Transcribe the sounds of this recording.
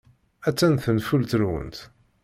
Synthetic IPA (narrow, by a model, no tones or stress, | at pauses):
æt͡sːænθənfult̪əɾwə̰nt̪